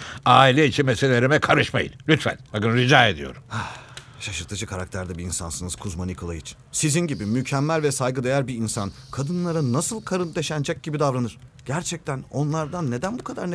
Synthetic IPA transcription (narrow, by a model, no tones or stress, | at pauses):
aːilʲɛit͡ʃʰinmeselʲeɾimɛkʰaɾɯʃma̰jḭnlʲyt̪fæ̰nbakɯnɾid͡ʒaːe̞d̪ijo̞̰ɾum | ʃaʃɯɾt̪ʰɯd͡ʒɯkʰaɾak̚t̪ʰæɾd̪ɛbiinsa̰nsɯnɯz̥kʰuzmanikʰolˠajɯt͡ʃʰnsizinɟibimycʰɛmːælʲvɛsajɡɯd̪e̞jæɾbiinsankʰad̪ɯnlˠaɾanasɯlˠkʰaɾɯnt̪ʰe̞ʃænd͡ʒɛc̚ɟibid̪avɾanɯɾ̥ɟ̥æɾt͡ʃʰɛc̚t̪ʰæno̞nlˠaɾd̪anːe̞d̪ænbukʰad̪aɾn